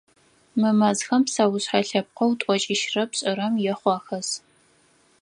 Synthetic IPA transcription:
mɨmɐzxɐmpsaːwʊɕħaɬɐp̚qɐwtʷʼɔt͡ʃʼɪʃrɐpɕʼɪɾɐmjɛχʷɑːxɐs

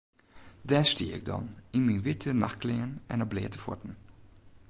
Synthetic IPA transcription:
dɛːstiːɪ̰ɡ̚dɑ̰nɪnminʋɪtʰənɑxklɪənɛ̰nəblḛːtə̥fɔ̰tn̩

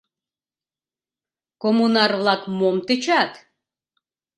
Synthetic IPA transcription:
komunɑrvlˠɑkmomt̪ət͡ʃat̪

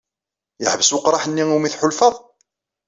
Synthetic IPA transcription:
jəħəvəswqːɾˤɑħənːiumiθħʊlfəðˤ

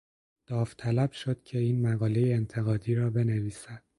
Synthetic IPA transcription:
d̪̥ɒːft̪ʰælæb̥ʃo̞d̪̥̚cʰe̞iːnmæɣɒːle̞jeːnt̪ʰeɣɒːd̪iːɾɒːbe̞neviːsæd̪̥

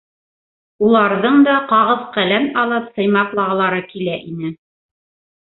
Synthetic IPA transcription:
ulˠɑɾðɤɴd̪ɑqɑʁɤðqælænɑlˠɤpsɤ̆jmɑqlˠɑʁlˠɑɾɤkilæʔinɘ

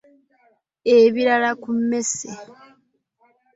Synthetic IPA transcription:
eβiɾalakumːe̞se

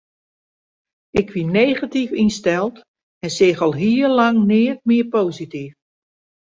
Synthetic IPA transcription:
ɪkʋineːɣatifinstɛlˠt | ɛnsɪɣɔlˠɦiːəlɑŋnɪːət̚mɪəpoːsitif

